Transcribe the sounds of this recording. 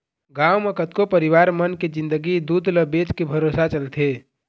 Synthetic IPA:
ɡawmekət̪kopəɾiwaːɾmənked͡ʒɪ̃nd̪əɡid̪uːd̪ləbet͡ʃkebʱəɾosat͡ʃəlt̪ʰe

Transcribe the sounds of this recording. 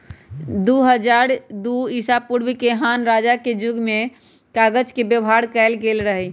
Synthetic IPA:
d̪uɦəd͡ʒaɾd̪uisapuɾbikeɦanɾad͡ʒaked͡ʒʊɡme | kaɡəd͡ʒkebjəbɦaɽkɛɪlɡelɾəɦɛ

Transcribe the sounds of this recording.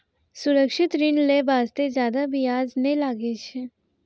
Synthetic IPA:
sʊɾəkʃɪt̪ɾɪnlebaːst̪ezjaːd̪abiaːznẽlaːɡet͡ʃʰe

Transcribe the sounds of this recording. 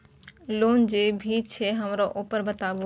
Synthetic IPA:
loːnd͡ʑeːbʱiːt͡ɕʰeɦɐmɾoʔoːpəɾbət̪aːbo

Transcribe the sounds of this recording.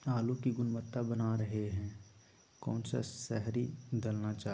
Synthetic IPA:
aːlũkiɡʊnmət̪ːabɐnaɾɐɦeɦɛ̃ː | kɔ̰ːnsa̰sɛɦɾid̪ɐlnat͡ʃaː

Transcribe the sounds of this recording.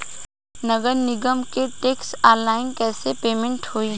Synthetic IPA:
nɐɡəɾnɪɡəmkeʈeːksaːlaːɪnkɛːsepeːmẽɳʈhoːi

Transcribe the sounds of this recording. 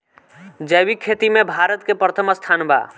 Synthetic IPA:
d͡ʒəjbikʰːet̪imebʱaɾət̪kepɾət̪ʰəməst̪ʰanba̰

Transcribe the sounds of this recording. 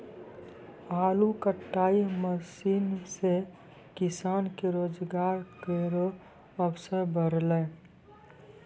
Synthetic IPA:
aːlukəʈːaːiməsiːnse | kɪsaːnkeɾoːd͡ʒɡaːɾkeɾo | əpsəɾbʱəɾle

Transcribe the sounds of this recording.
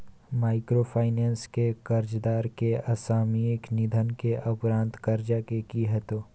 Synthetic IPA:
maːɪkɾopʰaːɪnẽːnskekɐɾd͡ʒd̪aːɾkeɐsaːmiɪknɪd̪ʱənkeʔɐpɾãːnt̪kɐɾd͡ʒakekiɦɛt̪oː

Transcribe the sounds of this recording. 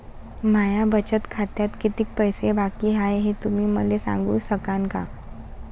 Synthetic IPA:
majabət͡ɕət̪kʰat̪jat̪kit̪iːk̚pəjsebakiːɦajɦet̪umiːməlesã̰ŋɡuːsəkaŋka̰

